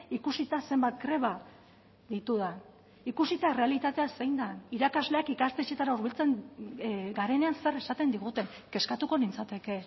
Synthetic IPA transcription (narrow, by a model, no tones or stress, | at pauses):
ikusit̪ase̞mbat̪̚ɡɾe̞βa | ðit̪uðan | ikusit̪aere̞alit̪at̪e̞ase̞jnd̪aniɾakazle̞akikast̪et͡ʃe̞t̪aɾauɾβ̞ilt͡se̞n | ɡaɾe̞ne̞anse̞re̞sat̪e̞nd̪iɣ̞ut̪e̞ŋ | ke̞skat̪uko̞nint͡sat̪e̞ke̞